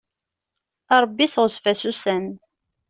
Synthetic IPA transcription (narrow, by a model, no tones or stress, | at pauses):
ɑɾˤbːisʁəsfæsusæn